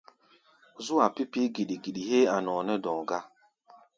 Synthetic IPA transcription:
zu˦a˨pi˦pi˦ɡi˨ɗi˨ɡi˨ɗi˨ɦe˦a˨nɔ˨nɛ˦dɔ̃˨ɡa˦

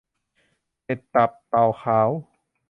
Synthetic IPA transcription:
he˨˩t̪ːa˨˩p̚t̪a˨˩wxʰaː˩˦w

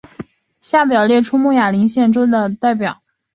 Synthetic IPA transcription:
ɕja˥˩pjɑ˨˩ʊljɛ˥˩ʈ͡ʂʰu˥mu˥˩ja˨˩li˧˥ŋɕjɛ˥˩nʈ͡ʂo˥ʊd̪ə˨t̪a˥˩ɪpjɑ˨˩˦ʊ

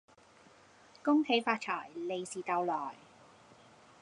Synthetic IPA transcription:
kʊ˥ŋhʰe˨˥jfaː˧t̚t͡ʃʰɔː˨˩jle˨˧jsiː˨˩t̪ɐ˧wlɔː˨˩j

